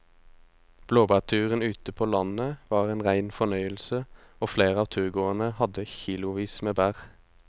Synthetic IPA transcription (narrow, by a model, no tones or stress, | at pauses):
b̥loːbæːʁt̪ʰʉːʁənʉːt̪əpʰoːlɑnəʋɑːʁeːnʁæɪnfɔnœʏəlsə | oːfleːʁəɑːʋt̪ʰʉːʁɡoːənəhɑd̪əçiːlʊʋiːsmeːbæːʁ